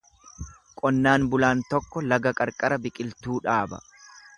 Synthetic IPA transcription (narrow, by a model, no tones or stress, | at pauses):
kʼɔnːaːnbʊlaːnt̪ɔkːɔlɐɡɐkʼɐɾkʼɐɾɐbɪkʼɪlt̪uːᶑaːbɐ̰